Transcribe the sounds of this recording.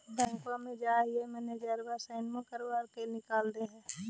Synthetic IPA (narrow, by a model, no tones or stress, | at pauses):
bɛ̃ːŋkamẽd͡ʒaːɦiɛmɛːned͡ʒaːɾbasaɪnmẽkəɾbaːɾkenɪkaːld̪eɦɛ̃ː